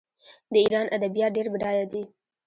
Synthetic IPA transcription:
d̪əiɾɑnʔad̪abjɑt̪̚ɖeɾbɪɖɑjad̪i

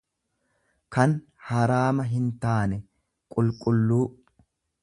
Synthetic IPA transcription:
kɐn | hɐɾaːmɐɦɪnt̪aːnɛ | kʼʊlkʼʊlːuː

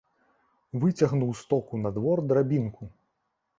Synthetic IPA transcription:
vɨt͡sʲɐɣnuwst̪ɔkunɐd̪vɔrd̪ɾabʲinku

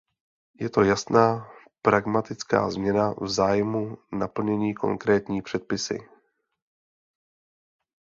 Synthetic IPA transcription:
jɛt̪o̞jasnaː | pɾaɡmat̪ɪt͡ska̰ːzmɲɛnavzaːjmunapl̩ɲɛɲiːko̞̰ŋkɾɛːt̪ɲiːpr̝̥ɛt̪̚pɪsɪ̰

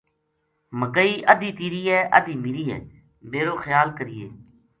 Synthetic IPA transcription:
məɡəiːʔəd̪iːt̪iːɾiːɛːʔə̰d̪iːmɪɾiːɛ̰ː | meːɾoːxəjaːlkəɾɪjḛː

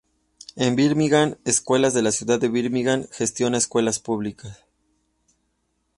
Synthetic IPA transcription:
e̞mbiɾmiɣaneskwe̞lazðe̞lasjuðaðːeβiɾmiɣanxe̞st̪jo̞naeskwe̞laspuβlikas

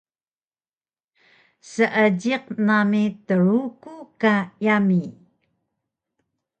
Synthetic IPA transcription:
səʔəɟiq̚namitəɾukukajami

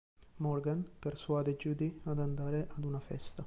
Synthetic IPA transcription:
mɔrɡanpersuaːd̪ed͡ʒuːd̪iad̪and̪aːɾeʔad̪unafɛ̰st̪a

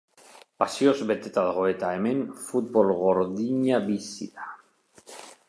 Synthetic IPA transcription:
pasio̞zβe̞t̪et̪aðoɣoe̞t̪ae̞me̞nfut̪bo̞lɣo̞ɾðiɲaβisḭða

